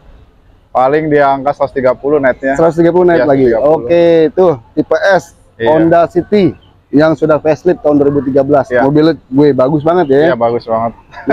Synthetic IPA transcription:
palɪŋdiaŋkat̪sɾat̪ust̪iɡapulʊnaɪt̪̚ɲasəɾat̪s̬t̪iɡap̬uluhnaɪlaɡioet̪ʊht̪ipeʔɛs | ondasit̪i | jaŋsudahfɛslɪp̚t̪aɦunduaɾibut̪̬iɡabəlasmobil̚ɡuebaɡʊs̬baŋət̪̬̚jaabaɡʊsbaŋət̪̚

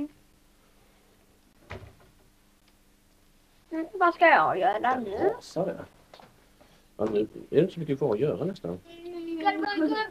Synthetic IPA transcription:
vaskajɑjœːɾanʉɛsad̪ɛ̰ | ɛ̰d̪ʉɛ̰ɾdɪnt̪əsɔmʏkːəkvɑːɾɔjœːɾanɛst̪a̰n

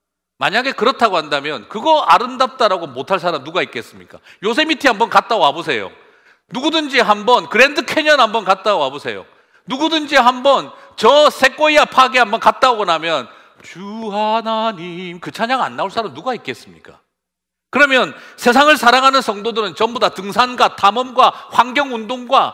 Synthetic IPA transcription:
maɲaɡe̞kɯɾʌtʰaɡohandamjʌnkɯɡʌaɾɯmdap̚t͈aɾaɡomotʰaɭs̬͈aɾamnuɡaik̚k͈e̞s͈ɯmɲḭk͈a̰ | jos̬ʰe̞mitʰiɦambʌnkat̚t͈aɡoɦabosʰe̞jo̰ | nuɡudɯnd͡ʑiɦambʌnkɯɾe̞ndɯkʰe̞ɲʌnhambʌnkat̚t͈aɡoɦabosʰe̞̰jo̰ | nuɡudɯnd͡ʑiɦambʌn | t͡ɕʌsʰe̞k͈oiapʰaɡiɦambʌnkat̚t͈aoɡʌnamjʌn | t͡ɕuɦanaɲimkɯt͡ɕʰaɲaŋa̰nːauɭs͈aɾamnuɡaik̚k͈e̞s͈ɯmɲik͈a̰ | kɯɾʌmjʌnsʰe̞s̬ʰaŋɯɭsʰaɾaŋɦanɯnsʰʌŋdodɯɾɯnt͡ɕʌmbodatɯŋsʰanɡwatamʌmɡwaɸwaŋɡjʌŋundoŋɡwa

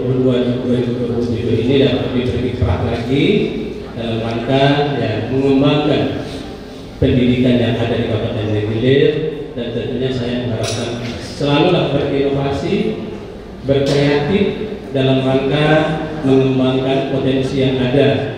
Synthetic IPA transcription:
buluand͡ʒukuaɾikukuluud͡ʒuɡuʔinidapat̪̚dibərkik̪ɾa̰hlaɡi | dalamraŋkajaməŋəmbaŋkan | pəndidikanjaŋadadikabat̪andɛɡilɪrdant̪ənt̪uɲasajaməŋɦaɾap̚kansəlalulahbərinofasi | bərkajat̪ɪtdalamraŋkaməŋəmbaŋkanpot̪ɛnsijaŋada

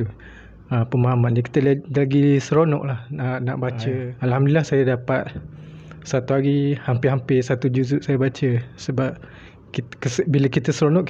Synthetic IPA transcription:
u | əpəmaɦamannaki̥t̪əllaɡisəɾonɔ̰ʔlahənaʔbat͡ʃəalhamdilahsajadapat̪̚ | sat̪uɦaɡihampɪɦampɪsat̪ud͡ʒuzuʔ̚sajabat͡ʃəsəbap̚ | kikəsbiləkit̪əsəɾonɔʔ

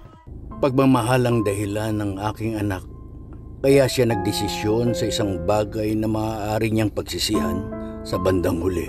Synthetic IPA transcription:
pɐɡ̚mɐmɐɦalɐŋd̪ɐɦɪlanːɐŋʔaːkɪŋɐnak̚ː | ɐjaʃanɐɡ̚d̪ɪsɪsjo̞nsɐʔɪsaŋbaːɡɐjnɐmɐaːʔaːɾɪɲaŋpɐɡsɪsiʔɐnsɐbɐnd̪aŋhʊlɛ̰

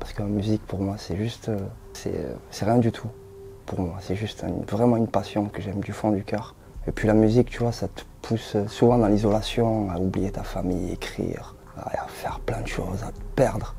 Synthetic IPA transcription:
paʁskəmamyzikpuʁmwasɛʒyst̪ø | sɛ̰sɛʁjɛ̃d̪yt̪ʰu | puʁmwasɛʒyst̪ɛvʁɛmɑ̃ynpasjɔ̃kəʒɛmd̪yfɔ̃d̪ykʲœʁ | epʰɥilamyzikt̪yvwasat̪ə̥pʰussuvɑ̃d̪ɑ̃lizɔlasjɔ̃aublijet̪afamijḛkχḭʁ | a̰a̰fɛʁplɛ̃d̪əʃo̰zaəpɛʁd̪ʁə

